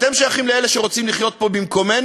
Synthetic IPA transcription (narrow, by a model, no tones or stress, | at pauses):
t̪emʃojaχimleeleʃeʁo̞t͡simliχjot̪̚po̞bimko̞men